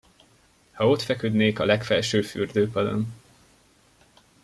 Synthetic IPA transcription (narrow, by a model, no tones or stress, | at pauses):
hɒo̞t̪fɛkød̪neːkɒlɛkfɛlʃøːfy̰rd̪øːpɒd̪o̰n